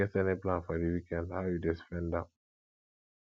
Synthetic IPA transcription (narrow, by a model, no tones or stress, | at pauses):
ɛtɛniplãnfɔdiwikɛ̃ndhaʊjudɛspɛ̃ndã